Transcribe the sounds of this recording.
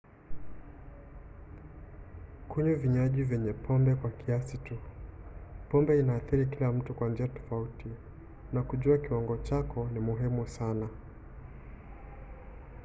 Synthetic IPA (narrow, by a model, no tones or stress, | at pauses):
kuɲuviɲaʄivjɛɲɛpʰɔmbɛkwakiasitu | pɔmbɛinaːθiɾikilam̩tukwand͡ʒiatɔ̥fauti | nakuʄuakiwaŋɡɔt͡ʃakɔnimuɦimusana